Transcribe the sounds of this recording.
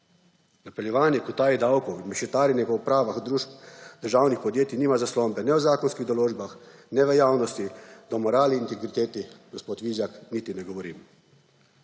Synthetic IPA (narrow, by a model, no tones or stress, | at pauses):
napɛljɛʋaːnjɛkut̪aːjid̪awkɔimɛʃɛt̪aːɾinɛɡɔwpɾaːʋaxd̪ɾuːʃp̚d̪̥əɾʒawnixpɔd̪jeːt̪iniːmazaslɔmbɛnɛwzaːkɔnskiɣd̪ɔloːd͡ʒbaxnɛʋəjaːwnɔst̪id̪̥ɔmɔɾaːliːnt̪ɛɡɾit̪eːt̪iɡ̥ospoːt̪ʋiːzjakniːt̪inɛɡɔʋɔɾḭm